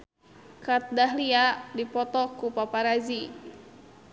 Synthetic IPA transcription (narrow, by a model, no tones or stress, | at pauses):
kat̪̚daɦliadipɔt̪ɔkupapaɾazi